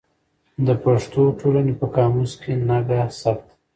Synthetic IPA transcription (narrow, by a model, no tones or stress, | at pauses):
d̪əpaʂt̪oʈʰolanepəkɑmuskʰenaɡasapt̪